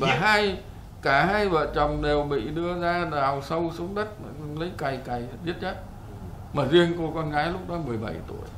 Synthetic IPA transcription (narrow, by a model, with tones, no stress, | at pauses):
vaː˨˩ɦaː˧j | kaː˧˩haː˧jvə̰ː˧˨nt͡ɕə˨˩ŋ͡mɗe˨˩wɓḭ˧˨ɗɨ˧əzaː˧zaː˨˩wsə˧wsu˨˦əŋ͡mɗə˦˥t̚ma˨˩˧nlə˨˦jka˨˩jka˨˩jɓi˦˥ət̚t͡ɕə˦˥t̚ | maː˨˩zi˧ənko˧kɔ˧nɣaː˨˦jlʊ˦˥k͡p̚ɗɔ˨˦mɨ˨˩əjɓa˧˩jt̪ṵ˧˩əj